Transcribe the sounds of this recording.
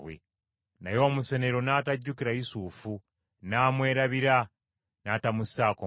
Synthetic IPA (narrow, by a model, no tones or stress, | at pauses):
wḛ | na̰jo̞ːmuse̞neɾo̞naːtaɟːukiɾaisuːfu | naːmwe̞ːɾaβiɾa | naːtamusako